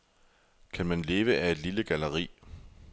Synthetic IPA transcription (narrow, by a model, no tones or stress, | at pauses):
kʰænmænle̝ːʋəʔæe̝d̥liləɡ̥æləʁḭː